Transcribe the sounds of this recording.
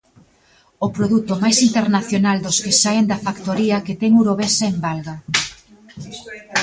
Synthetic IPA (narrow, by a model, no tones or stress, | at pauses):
opɾoðut̪ʊmajsint̪eɾnaθjonald̪ʊskesaend̪ɐfakt̪oɾiɐket̪ɛŋuɾoβesaembalɣa